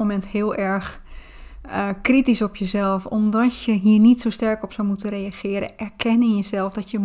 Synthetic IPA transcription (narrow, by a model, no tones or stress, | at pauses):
omɛnthɪəlˠɛɹx | kritisɔpjəzɛlˠfɔmdɔtjəɦiərnitsowstɛrkɔpsawmutərejaxɪəɾə̰ʔɛrkʰɛnɪnjəzɛlˠfdɔtjə